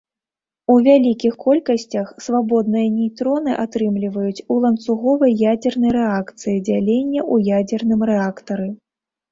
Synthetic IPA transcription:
uvʲalʲikʲixkɔlʲkɐsʲt͡sʲɐxsvabɔd̪nɨjɐnʲijt̪ɾɔnɨʔat̪ɾɨmlʲivɐjut͡sʲulˠɐnt̪suɣɔvɐjːad͡zʲɛrnɐjɾɛakt̪sɨjid͡zʲalʲenʲːɐʔujad͡zʲɛrnɨmrɛakt̪ɐɾɨ

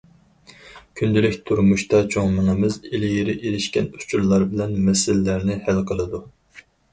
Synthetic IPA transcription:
kʲʰynd̪ɪlɪkʲt̪ʰuɾmuʃt̪ɑt͡ʃʰoŋmɑnɨmɨzelɪjiɾɪʔeɾɪʃkʲɛnu̥t͡ʃʰuɾlˠɑɾbɪlɛnmɛsɪlːæɾnɪhælqʰəlˠɨd̪u

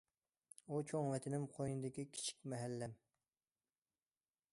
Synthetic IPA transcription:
ut͡ʃʰoŋvɛt̪ʰɪnɪmqʰojnɨd̪ɪkʲikʲʰi̥t͡ʃʰi̥k̚ʲmɛɦɛlːɛm

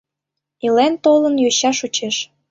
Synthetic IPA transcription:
ilent̪olənjøɕɑʃut͡ɕeʃ

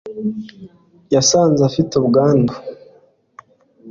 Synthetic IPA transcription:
jasaːnzafitobɡaːndo

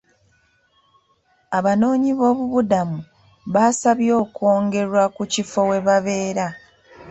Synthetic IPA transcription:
aβano̞ːɲiβo̞ːβuβudamu | βasaβjo̞ːko̞ːŋɡe̞ɾwakucifo̞we̞βaβe̞ːɾa

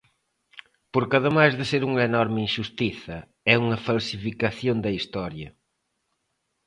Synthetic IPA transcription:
poɾkɐðɪmajzðɪseɾuŋɐenɔɾmɪinʃust̪iθɐ | ɛuŋɐfalsifikɐθjond̪ɐist̪ɔɾjɐ

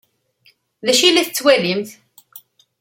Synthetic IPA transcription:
ðæʃilæθət͡sːwælimθ

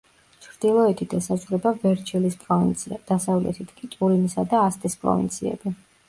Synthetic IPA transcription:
t͡ʃʰɾd̪̥ilˠɔɛt̪ʰit̪ʰɛsazʁɾɛbavɛɾt͡ʃʰɛlispʼɔd̪̥asavlɛ̰t̪ʰit̪ʰkʼit̪ʼuɾinisad̪aːst̪ʼispʼɾɔ̰vḭnt̪sʰiɛ̰b̥i

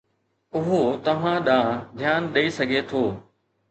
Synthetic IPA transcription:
ʊɦot̪ɐʋ̤ãɗãːd̪ʱjaːnɗɐisɐɡʱet̪ʰoː

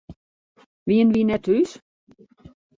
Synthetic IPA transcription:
ʋiənʋinɛthys

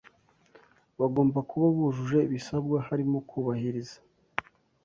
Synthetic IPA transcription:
βaɡo̞ːmbakuβaβuʒuʒe̞βisabɡahaɾimukʰuːβahiɾizḁ

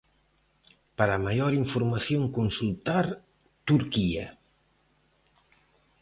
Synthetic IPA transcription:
paɾamajoɾiɱfoɾmaθjoŋkonsult̪aɾ | t̪uɾkia̰

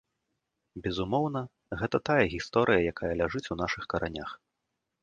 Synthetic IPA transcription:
bʲɛzumɔwn̪ɐ | ɣɛt̪ɐt̪ajɐɣʲist̪ɔɾʔɨjɐjakajɐlʲaʐɨt͡sʲun̪aʂɨxkɐɾʔanʲax

